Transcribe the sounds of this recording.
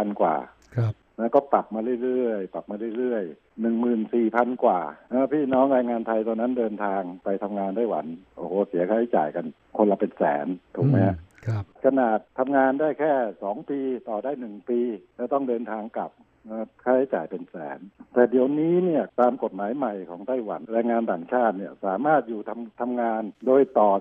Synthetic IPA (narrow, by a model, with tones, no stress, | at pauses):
a˧nkwa̰ː˨˩ | na˦˥kɔː˥˩p̪a˨˩p̚maː˧ɾɯ˥˩˨jɾɯ˥˩əjp̪a˨˩p̚maː˧ɾɯ˥˩˨jɾɯ˥˩əj | nɯ˨˩ŋmɯː˨˩nsiː˨˩pʰa˧nkwaː˨˩na˦˥pʰiː˥˩nɔː˦˥˩ŋɾaː˧jŋaː˧nt̪ʰa˧jt̪ɔː˧nːa˦˥ndɤː˧nt̪ʰaː˧ŋpa˧jt̪ʰa˧mŋaː˧ndaː˥˩jwa̰˩˦nʔoː˧˩hoː˨˦si˨˩˦kʰaː˥˩ha˥˩jt͡ɕa̰ː˨˩jka˧n | kʰo˧nla˧pe˧nsɛ̰ː˩˦nt̪ʰuː˨˩k̚mɛ˦˥kʰa˧naː˨˩t̪ʰːa˧mŋaː˧ndaː˥˩jkʰɛː˥˩sɔː˩˦ŋpiː˧t̪ɔː˨˩daː˥˩jnɯ˨˩ŋpiː˧lɛː˧˥˩t̪ɔ˥˩ŋdɤː˧nt̪ʰaː˧ŋka˨˩p̚ː | kʰaː˥˩jha˥˩jt͡ɕa̰ː˨˩jpe˧nsɛ̰ː˩˦nt̪ɛː˨˩di˨˩əwniː˦˥ni˥˩ɐt̪aː˧mko˨˩t̪̚maː˨˩˦jma˨˩jkʰɔː˩˦ŋt̪a˥˩jwa̰˩˦nɾaː˧jŋaː˧nt̪aː˨˩ŋt͡ɕʰaː˥˩t̪̚ni˥˩ɐsaː˨˩˦maː˥˩t̪̚juː˨˩t̪ʰa˧mt̪ʰa˧mŋaː˧ndoː˧˩jt̪ɔː˨˩